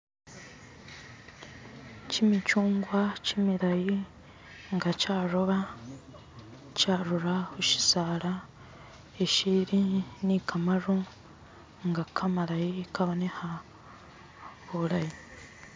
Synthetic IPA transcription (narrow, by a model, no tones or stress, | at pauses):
cimicuːŋɡwacimiɾaji | ŋɡacaːɾoβa | caɾuɾahuʃi̥zaɾa | eʃiɾinikʰamaɾu | ŋɡakʰamaɾajikaβoneha | uɾaji